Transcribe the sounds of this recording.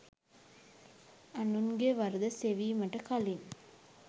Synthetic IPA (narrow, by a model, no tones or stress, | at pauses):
ɐnunɡeːʋɐɾd̪ɐseʋimɐʈrɐkɐlin